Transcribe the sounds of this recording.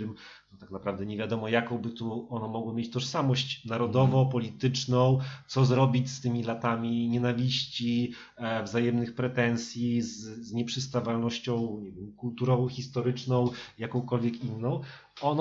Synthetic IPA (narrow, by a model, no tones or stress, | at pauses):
ɘmt̪ɔt̪aknapɾavd̪ɛɲɛvʲjad̪ɔmɔjakɔ̃w̃bɘt̪uɔnɔmɔɡwɔmʲjet͡ɕt̪ɔʂsamɔɕt͡ɕnaɾɔd̪ɔvɔpɔlʲit̪ɘt͡ʂnɔ̃w̃t̪sɔzɾɔbʲit͡ɕst̪ɘmʲilat̪amʲiɲɛnavʲiɕt͡ɕi | vzajɛmnɘxpɾɛt̪ɛnsʲjizzɲɛpʂɘst̪avalnɔɕt͡ɕɔ̃w̃ɲɛvʲjɛmkult̪uɾɔvɔ̃xʲist̪ɔɾɘt͡ʂnɔ̃w̃jakɔ̃w̃kɔlvʲjɛkinːɔ̃w̃ | ɔn